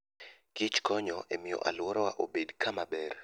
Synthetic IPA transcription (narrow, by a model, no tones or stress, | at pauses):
kit͡ʃkʰɔɲɔʔemijɔ̰ʔa̰lwɔɾɔwa̰ʔobedkʰamabɛr